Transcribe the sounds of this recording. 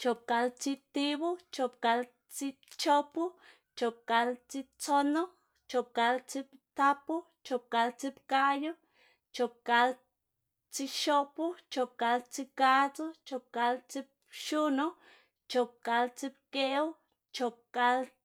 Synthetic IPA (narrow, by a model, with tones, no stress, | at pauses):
t͡ʃo˨p̚ka˧lt͡si˧t̪i˦bu˦t͡ʃo˧p̚ka˧l | t͡si˦ | t͡ʃo˦pu˦ | t͡ʃo˧p̚ka˧lt͡si˧t͡so˦no˦ | t͡ʃo˧p̚ka˧lt͡si˦pt̪a˦pu˦ | t͡ʃo˧p̚ka˧lt͡si˦pka˦jo˦ | t͡ʃo˧p̚ka˧l | t͡si˧ʃo˦pu˦t͡ʃo˧p̚ka˧lt͡si˧ka˦t͡so˦t͡ʃo˧p̚ka˧lt͡si˦p̚ | ʃu˦no˦ | t͡ʃo˧p̚ka˧lt͡si˧p̚ke˦u˦ | t͡ʃo˧p̚ka˧l